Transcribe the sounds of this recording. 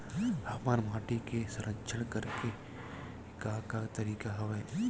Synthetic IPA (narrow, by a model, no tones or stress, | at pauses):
aːmaːɾmaːʈikesɐ̃ɾəkt͡ʃʰəɽ̃kɐɾke | kakat̪ɐɾiːkaɦɐʋɛː